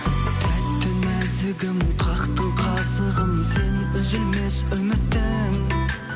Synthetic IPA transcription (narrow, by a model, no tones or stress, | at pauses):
t̪ʰæt̪ːɪmæzɪɡʲɪmqʰɑqt̪əɴqʰɑsəʁəmsenʏzɪlmesʏmɪt̪ːɪ